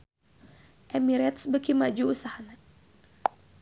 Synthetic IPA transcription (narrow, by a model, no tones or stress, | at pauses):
ʔɛmiɾɛt̪sbəkimad͡ʒuusahana